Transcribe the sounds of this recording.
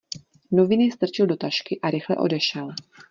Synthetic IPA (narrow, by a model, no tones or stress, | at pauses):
no̞vɪnɪst̪r̩t͡ʃɪldo̞t̪aʃkɪʔaɾɪxlɛ̰ʔo̞̰dɛʃɛl